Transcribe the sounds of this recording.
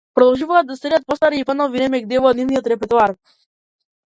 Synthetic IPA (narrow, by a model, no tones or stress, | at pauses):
pɾɔd̪ɔlˠʒuvaːd̪ːasɛdat̪̚pɔst̪aɾiipanɔviɾɛmɛɡd̪ɛvɔd̪nivnijɔt̪ɾɛpɛɾt̪uaɾ